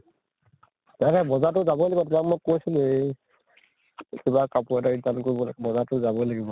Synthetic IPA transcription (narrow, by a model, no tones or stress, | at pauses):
takɛbɔzat̬ʊzabɔjlaɡibɔtʊmak̚mojkːojsil | kibakapuataɹidankoɹibɔlaɡbɔzatʊzabɔlaɡibɔ